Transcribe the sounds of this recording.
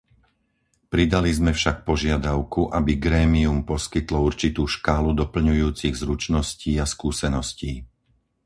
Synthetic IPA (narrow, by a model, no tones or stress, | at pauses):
pɾid̪alizmɛfʃak̚pɔʒɪad̪aʊkuʔabiɡɾɛːmiumpɔskit̪lɔuɾt͡ʃit̪uːʃkaːlud̪ɔpl̩ɲujuːt͡siɣzɾut͡ʃnɔsciːaskuːsɛnɔsciː